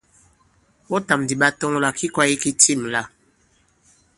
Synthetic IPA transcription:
wɔ˦ta˨mdi˨ɓa˦tɔ˦ŋ˦la˨kʰi˦kwa˦ji˦ki˦ti˦˨mla˦˨

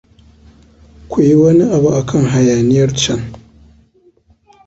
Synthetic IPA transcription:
kʷu˨ji˦wɐ˦ni˦ʔa˨bu˨ʔa˨kʰɐ˦˨ŋɦa˨jaː˨nɪ˦jɐ˦rt͡ʃɐ˦ŋ

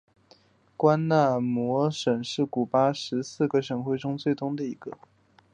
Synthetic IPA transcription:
kwa˥nna˥˩mwɔ˧˥ʂə˨˩nʂɻ̩˥˩ku˨˩pa˥ʂɻ̩˧˥sɹ̩˥˩ɡə˩ʂə˨˩nxwe˥˩ɪʈ͡ʂʊ˥ŋt͡swe˥˩ɪt̪ʊ˥˩ŋd̪ə˨i˧˥ɡ̥ə˧

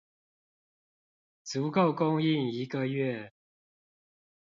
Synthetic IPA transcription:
t͡su˨˥ko˥˨˩ʊkʊ˥ŋi˥˨ŋi˨˥˦kə˧ɥɛ˥˨

